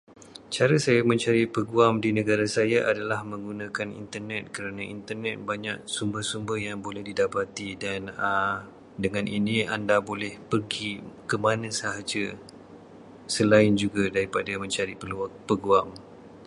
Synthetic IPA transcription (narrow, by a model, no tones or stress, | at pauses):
t͡ʃaɾasajamə̃ɲt͡ʃaɾipəɡuamdinə̃ɡaɾasajaʔadalahmə̃ŋɡunãkanḭnt̪ərnɛt̪̚kəɾanãʔint̪ərnɛt̪̚baɲak̚sumbərsumbərjaŋbolɛhdidapat̪idanə | dəŋãnʔinĩandabolɛhpərɡikəmanãsaɦad͡ʒə | səlaɪnd͡ʒuɡadaɾipadamə̃ɲt͡ʃaɾipəlapəɡuam